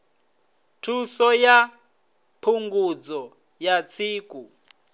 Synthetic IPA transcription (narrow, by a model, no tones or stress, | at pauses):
tʰusɔja | pʰuŋɡud͡zɔ | jat͡sʰiːkʼu